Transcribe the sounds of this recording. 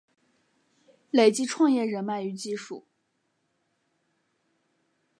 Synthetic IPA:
le˨˩ɪt͡ɕi˥ʈ͡ʂʰwɑ˥˧ŋjɛ˥˩ɻə˧˥nma˥˩ɪy˧˥t͡ɕi˥˧ʂṵ˥˩˦

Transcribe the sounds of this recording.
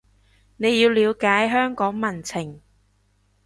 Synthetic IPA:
ne˨˧jiː˧wliː˨˧wkaː˨˥jɦœː˥ŋkɔː˨˥ŋmɐ˨˩nt͡sʰɪ˨˩ŋ

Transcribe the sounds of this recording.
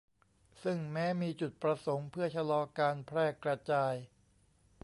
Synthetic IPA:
sɯ˥˩ŋmɛː˦˥miː˧t͡ɕu˨˩t̪̚pɾa˧so˩˦ŋpʰɯ˥˩ɐt͡ɕʰa˧lɔː˧kaː˧npʰɾɛː˥˩kɾa˧t͡ɕaː˧j

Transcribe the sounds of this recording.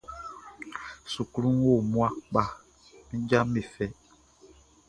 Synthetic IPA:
su˨klu˦ŋ˦wo˦˨mwa˦k͡pa˨ | mi˦d͡ʒa˦me˨fɛ˨˦

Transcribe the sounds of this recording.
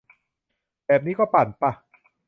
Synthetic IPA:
bɛː˨˩p̚niː˦˥kɔː˥˩paː˨˩npa˧˩

